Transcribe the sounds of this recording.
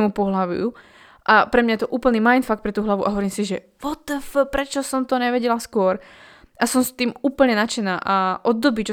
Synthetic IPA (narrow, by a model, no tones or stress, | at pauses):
ɛmupɔɦlaʋṵṵ | ʔapɾɛmɲajɛt̪ɔʔuːpl̩niːmajnfak̚t̪pɾɛt̪uːɦlaʋuʔaɦɔʋɔɾiːmsiʒɛ | ʋɔt̪əfəpɾɛt͡ʃɔsɔmt̪ɔɲɛʋɛɟɛlaskʊɔɾ | ʔasɔmst̪iːmuːpl̩ɲɛnat͡ʃɛnaːʔaʔɔd̪ːɔbit͡ʃɔ